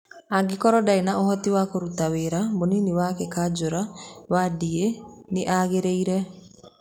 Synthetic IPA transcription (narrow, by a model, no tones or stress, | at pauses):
aŋɡekɔɾɔdainaohɔtiwakoɾutaweɾamoniniwakekad͡ʑoɾawadieneʔaɣeɾeiɾɛ